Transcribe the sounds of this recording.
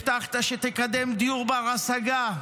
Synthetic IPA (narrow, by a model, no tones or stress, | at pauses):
t̪aχt̪aʃet̪ekad̪emd̪ijuʁbeaʁasaɡa